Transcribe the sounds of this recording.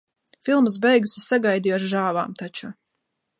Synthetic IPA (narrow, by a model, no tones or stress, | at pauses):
filˠms̬bɛjɡusisaɡajd̪ijɔʃʒaːva̰ːmt̪at͡ʃu